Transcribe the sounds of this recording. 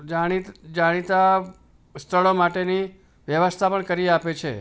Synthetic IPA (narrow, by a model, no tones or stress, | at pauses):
d͡ʒaɽ̃id͡ʒaɽ̃it̪a | st̪ʰəɭomaʈeni | ʋjəʋəst̪ʰapəɳkəɾiapet͡ʃʰḛ